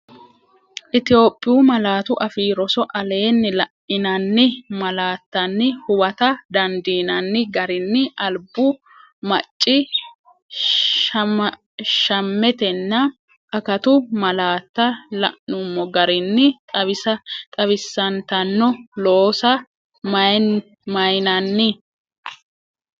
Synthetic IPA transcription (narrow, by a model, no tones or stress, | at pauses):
ʔɪt̪ɪjo̞ːpʼːɪjuːmɐlaːt̪ʊʔɐfiːɾɔsɔʔɐle̞ːnːɪlɐʔɪnɐnːɪmɐlaːt̪ːɐnːɪhʊwɐt̪ɐd̪ɐnd̪iːnɐnːɪɡɐɾɪnːɪʔɐlbʊ | mɐt͡ʃʼːɪ | ʃɐmːɛt̪ɛnːɐ | ʔɐkɐt̪ʊmɐlaːt̪ːɐlɐ̰ʔnʊmːɔɡɐɾɪnːɪt̪ʼɐβɪsɐt̪ʼɐbɪsːɐnt̪ɐnːɔloːsɐ | mɐjnɐnːɪ